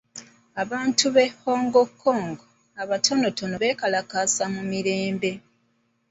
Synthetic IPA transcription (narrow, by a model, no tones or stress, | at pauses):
aβaːntʰuβe̞ho̞ːŋɡo̞kʰːo̞ːŋɡo | aβatʰo̞no̞to̞no̞βe̞ːkalakasamumiɾe̞ːmbe̞